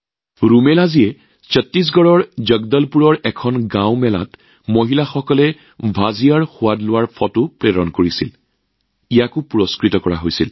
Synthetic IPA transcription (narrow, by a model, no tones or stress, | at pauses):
ɹumɛlaziɛ | sətːis̬ɡɔɹɔɹzəɡdɔlpuɹɔɹɛkʰɔnɡãwmɛla̰t | moɦilaxɔkɔlɛ | bʱazijaɹxʊwadlʊwaɹpʰɔtʊpɹeɹɔnkoɹisil | ijakʊpuɹɔskɹitɔkɔɹa̰ɦojsil